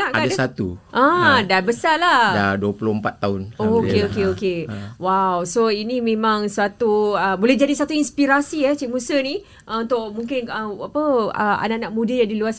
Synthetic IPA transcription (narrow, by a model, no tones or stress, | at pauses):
naʔɡaaadasat̪ṵʔə̃dabəsaladaduəpulʊhəmpat̪ːaʊnokeokeokewawsoinĩmẽmãŋswat̪uəbolɛd͡ʒadisat̪uinspiɾasiɛt͡ʃiʔ̚mũsənĩ | ʔunt̪ʊʔmũŋkɪnəapəəʔa̰naʔanaʔmũdəjaŋdiluas